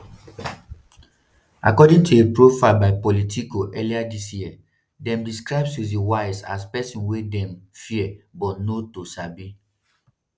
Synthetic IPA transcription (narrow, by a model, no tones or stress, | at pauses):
a̰kɔdĩŋtuepɹofaɪlbaɪpɔlitʰikoʔɛliadisjiɛ | dɛ̃mdiskɹaɪbsjudewaɪsa̰spɛsĩnwedɛ̃mfiɛbɔtnotosabi